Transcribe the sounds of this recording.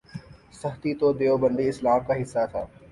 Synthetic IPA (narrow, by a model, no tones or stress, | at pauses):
sɐɦt̪it̪od̪eːobə̃nd̪iɪslaːmkaɦɪsːat̪ʰa̰ː